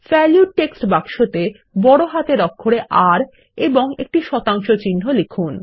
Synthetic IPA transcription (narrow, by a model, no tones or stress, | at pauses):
fɛljuɖ̚ʈeksʈbakʃot̪e | bɔɽoɦat̪eɾɔkʰːoɽeʔaɾ | eboŋek̚ʈiʃɔt̪aŋʃot͡ɕinːɦolekʰun